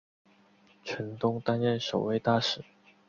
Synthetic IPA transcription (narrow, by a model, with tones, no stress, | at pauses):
t͡ɕʰə˨˧˥nt̪ʊ˥ŋt̪a˥nɥɛ˥˩nʂo˨˩ʊwe˥˧ɪt̪a˥˧˩ʂɻ̩˨˩˦